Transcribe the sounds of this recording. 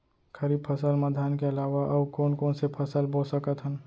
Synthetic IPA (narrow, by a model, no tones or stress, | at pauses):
kʰəɾiːb̚pʰəsəlməd̪ʱaːnkeɐlaːwaʔɐbkoːnkoːnsepʰəsəlboːsəkət̪ɦən